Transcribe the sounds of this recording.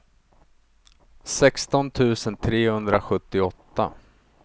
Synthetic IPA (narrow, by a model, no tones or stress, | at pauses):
sɛkst̪ɔnt̪ʰʉ̟ːsənt̪ʰɾeːhɵnd̪ɾaɧɵt̪ːɪɔt̪ːa̰